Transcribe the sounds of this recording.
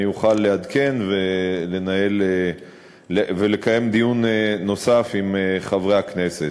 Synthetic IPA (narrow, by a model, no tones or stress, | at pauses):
juχalːead̪ke̞nvele̞nae̞le | evele̞kaje̞md̪ijuneːo̞safimeχavʁeakne̞se̞